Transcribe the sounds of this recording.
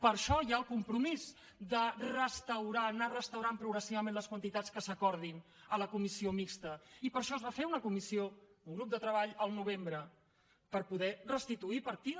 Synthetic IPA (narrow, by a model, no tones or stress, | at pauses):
pəɾʃɔjaəlˠkumpɾumiz | d̪ərəst̪əwɾanarəst̪əwɾampɾuɣɾəsiβəmẽnləskwənt̪it̪at͡skəsəkɔɾð̞in | ələkumisiomikst̪əipəɾʃɔəzβafeunəkumisiouŋɡɾup̚d̪ət̪ɾəβaʎəlˠnuβ̞embɾə | pəɾpuðɛrəst̪it̪uipəɾt̪i